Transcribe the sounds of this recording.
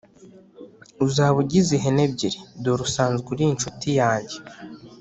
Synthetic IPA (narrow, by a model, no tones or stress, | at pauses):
uzaːβuɟiziɦeneb̚ɟiɾidoɾusaːnzɡuɾint͡ʃutijaːɲɟe